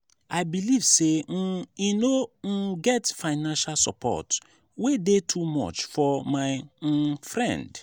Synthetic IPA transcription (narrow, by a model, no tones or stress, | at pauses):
aɪbiliv̥se | inoɡɛtfaɪnãnʃalsɔpʰɔ̰t | wedetʰumɔ̰t͡ʃfɔmaɪ | fɹɛ̰̃nd